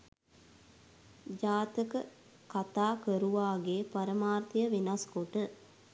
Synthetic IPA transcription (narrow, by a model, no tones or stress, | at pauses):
d͡ʒaːt̪əkə | kat̪aːkəɾuʋaːɡeːpɐɾəmaːrt̪ijəʋenaskoʈə